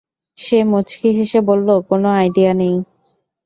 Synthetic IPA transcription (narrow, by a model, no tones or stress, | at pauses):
ʃemot͡ɕkʰiɦeʃebolːokonoajɖianej